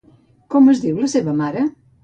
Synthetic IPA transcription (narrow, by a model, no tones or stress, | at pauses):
komʊɐzðiwlɐseβɐmaɾɐ